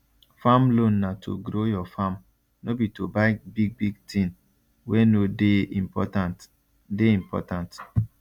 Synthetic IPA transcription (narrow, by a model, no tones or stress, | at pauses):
famlõnːatʰo̰ɡɾojɔfam | nobitobaɪbiɡ̚biɡ̚tʰĩn | wenodepɔtat | deĩmpɔ̰tãnt